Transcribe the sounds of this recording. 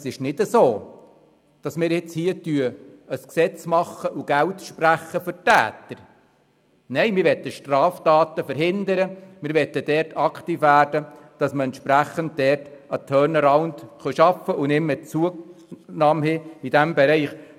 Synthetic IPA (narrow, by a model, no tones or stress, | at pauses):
sɪʃnɪdəsoː | d̥ɑsmɪːɾjɪt͡shiːətyəəsksɛt͡smɑχːəʔuɡ̥æltʃpræχːəfʏrtæ̰ːt̪əɾ | nɛɪmɪɾʋɛt̪ːəʃtrɑːftɑːt̪əfəɾɦɪnd̪əɾəmɪːɾʋɛt̪ːəd̥ɛːrtʰɑkχt̪iːfʋæːɾdəd̥ɑsməɛnt̪ʃpɾæχənt̚d̥ɛrtət̪ʰœːɾnəɾɑʊntχœʃɑfəʔʊnɪmːət͡suənɑːmɦeid̥æmbɛɾɛɪχ